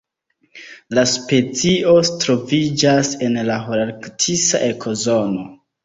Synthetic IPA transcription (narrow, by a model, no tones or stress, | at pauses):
laspe̞t͡sio̞tɾo̞vid͡ʒase̞nlaɦoɾaɾktʰisa̰ʔe̞kʰo̞zo̞no̞